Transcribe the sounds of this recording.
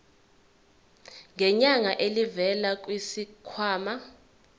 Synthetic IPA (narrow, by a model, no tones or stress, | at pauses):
ŋʱɛɲaŋaʔelivɛlak̬ʼwisikʰwaːma